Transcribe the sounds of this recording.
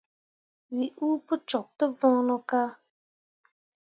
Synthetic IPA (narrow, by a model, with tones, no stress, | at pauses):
wi˨ʔu˦pʊ˦t͡ʃɔ˨k̚tʊ˦vɔ̃˦nʊ˦ka˦